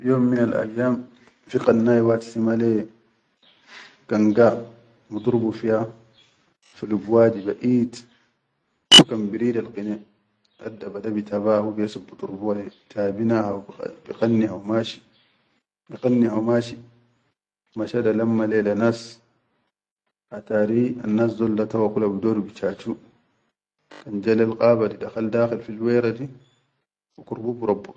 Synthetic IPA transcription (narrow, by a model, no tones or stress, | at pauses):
joːmːinalʔa̰jːaːm | fiqanːajwat̪i̥simale | kaŋɡa | mut̪ˤuɾbufija | fulubwaːd͡ʒibaʔiːt | fukambiɾiːdalqine | ʔa̰dːabadabitaβaːhubijasubːut̪ˤuɾbuwaletʰaːbinahawbiqanːihawmaʃi̥ | biqanːihawmaːʃi | maʃadalamːalelanas | ʔataɾia̰nːaːsdɔlːatawakulabidoɾubit͡ʃaːt͡ʃu | kand͡ʒalalqʼaːbadidaxaldaːxilfilweːɾadi | wukuɾbubuɾabːu